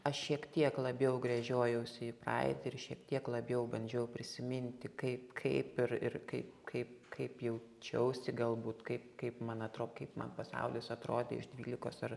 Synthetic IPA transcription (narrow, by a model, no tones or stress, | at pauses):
ɐʃʃʲiɛkt̪ʲiɛklˠɐbʲjɛʊɡɾɐʒʲoːjɛʊsʲɪɪprɑ̰ɪt̪ʲɪɪrʃʲiɛkt̪ʲiɛklˠɐbʲjɛʊbɐnʲd͡ʒʲɛʊpʲɾʲɪsʲɪmʲɪnʲt̪ʲɪkɐɪpkʰɐɪpɪrɪ̰rkɐɪpkʰɐɪpkʰɐɪpjɛʊt͡ʃʲɛʊsʲɪɡɐlˠbuːt̪kɐɪpkɐɪpmɐnɐt̪ɾoːkɐɪpmɐ̰npɐsɐ̰ʊlʲɪsɐt̪ɾoːd̪ʲḛɪ̰ʒd̪ʲʋʲiːlʲɪkoːsɐr